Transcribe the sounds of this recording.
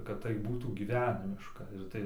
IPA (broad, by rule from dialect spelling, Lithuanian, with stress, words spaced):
kɐt tɐɪ ˈbuːtuː ɡʲiːˈʋʲæːnʲɪmʲɪʃkɐ ɪr ˈtɐɪ